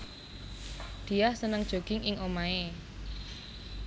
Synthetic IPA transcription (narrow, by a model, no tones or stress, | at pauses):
d̪̥i̤jahsənəŋd̥ʒ̥o̤ɡ̥ɪŋʔɪŋʔomae